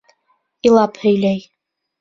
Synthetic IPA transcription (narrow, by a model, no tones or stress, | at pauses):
ilˠɑphɵ̆jlæj